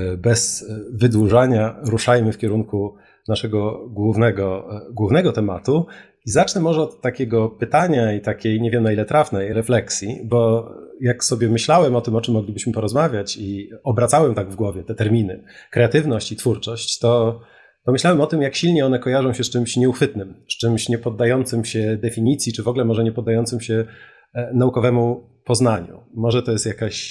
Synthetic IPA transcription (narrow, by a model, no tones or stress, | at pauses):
bɛz̥vɘd̪wuʐaɲaɾuʂajmɘfkʲɛɾuŋku | naʂɛɡɔɡwuvnɛɡɔɡwuvnɛɡɔt̪ɛmat̪u | izat͡ʂnɛmɔʐɛɔt̪ːakʲeɡɔpɘt̪aɲait̪akʲejɲevʲjɛmnailɛt̪ɾafnɛjɾɛflɛksʲjibɔjaksɔbʲjɛmɘɕlawɛmɔt̪ɘmɔt͡ʂɘmːɔɡlʲibɘɕmɘpɔɾɔzmavʲjat͡ɕiɔbɾat̪sawɛmt̪aɡvɡwɔvʲjɛt̪ɛt̪ɛɾmʲinɘ̰kɾɛat̪ɘvnɔɕt͡ɕit̪fuɾt͡ʂɔɕt͡ɕt̪ɔ | pɔmɘɕlawɛmɔt̪ɘmjakɕilɲɛɔnɛkɔjaʐɔ̃w̃ɕɛst͡ʂɘmɕɲɛuxfɘt̪nɘmst͡ʂɘmɕɲɛpɔd̪ːajɔnt̪sɘmɕɛd̪ɛfʲiɲit̪sʲjit͡ʂɘvɔɡlɛmɔʐɛɲɛpɔd̪ːajɔnt̪sɘmɕɛ | naukɔvɛmu | pɔznaɲṵmɔʐɛt̪ɔjɛst̪jakaɕ